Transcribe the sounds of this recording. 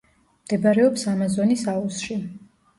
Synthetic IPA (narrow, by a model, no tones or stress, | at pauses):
md̪̥ɛbaɾɛɔpsamazɔnisausʃi